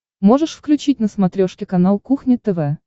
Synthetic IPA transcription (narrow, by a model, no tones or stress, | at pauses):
mo̞ʐəʂfklʲʉt͡ɕit̚ʲnəsmɐt̪ɾʲoʂkʲɪkɐnalˠkuxnʲɪt̪ɛvɛ